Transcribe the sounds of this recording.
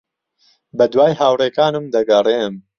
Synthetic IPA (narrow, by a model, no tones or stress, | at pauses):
bɐd̪waːjɦaːwreːkaːnɨmd̪ɐɡɐrem